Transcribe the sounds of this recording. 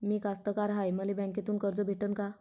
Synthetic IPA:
miːkast̪əkaɾɦajməlebɛ̃ŋket̪uːnkəɾd͡zəbʱeʈənka

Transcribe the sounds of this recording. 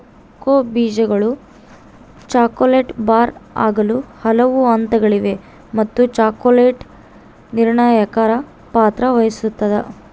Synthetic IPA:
koːbiːd͡ʒɐɡɐɭu | t͡ʃaːkoleːʈbaːɾa̰ːɡɐluhɐlɐʋuɐnt̪ɐɡɐɭiʋe̞ | mɐt̪ːut͡ʃaːkoleːʈ | niɾɳaːjakaːɾɐ | paːt̪ɾɐʋɐjɐsut̪ːɐd̪ɐ

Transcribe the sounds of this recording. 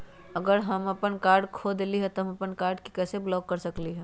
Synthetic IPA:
ɐɡəɾɦɐmɐpənkaːɾɖkʰoːd̪liɦɛt̪oɦə̃mɐpənkaːɾɖki̥kɛːseblɔːkːɐɾsɐkliɦɛː

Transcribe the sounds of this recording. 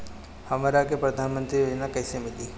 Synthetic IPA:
hɐmaɾakepɾɐd̪ʱaːnmə̃nt̪ɾijoːd͡ʒnakɛːsemɪliː

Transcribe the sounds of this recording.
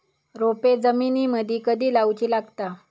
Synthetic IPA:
ɾoped͡zəminiːməd̪ʱiːkəd̪ʱiːlawt͡ɕiːlaɡt̪a

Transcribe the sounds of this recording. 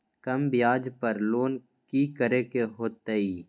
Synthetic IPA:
kɐmbɪjaːd͡ʒpəɾloːn | kikəɾekeɦoːt̪əiː

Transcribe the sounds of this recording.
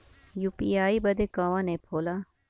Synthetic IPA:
juːpiaːibɐd̪ekãʋãnepʰoːla

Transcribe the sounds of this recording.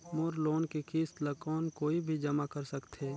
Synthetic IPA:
moːɾloːnkikiːst̪ləkɔːnkoːibʱid͡ʒɐmakəɾsəkt̪ʰeː

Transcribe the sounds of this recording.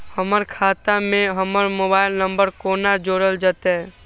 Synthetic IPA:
həməɾkʰaːt̪amẽɦəməɾmoːbaːɪlnəmbəɾkoːnad͡ʒoːɽəld͡ʒat̪e

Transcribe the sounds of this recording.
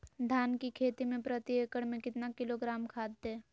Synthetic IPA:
d̪ʱaːnkikʰeːt̪imẽpɾət̪ieːkəɽmẽkɪt̪nakɪloɡɾaːmkʰaːd̪ːeː

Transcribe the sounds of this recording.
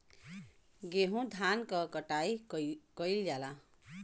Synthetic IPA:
ɡeɦũd̪ʱankʌkʌʈajkʌjljala

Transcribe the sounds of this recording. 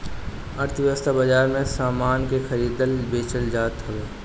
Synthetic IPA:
ɐɾt̪ʰʋjəst̪abɐd͡ʒaːɾmẽsaːmaːnkexɐɾiːd̪əlbeːt͡ʃəld͡ʒaːt̪ɦɐʋeː

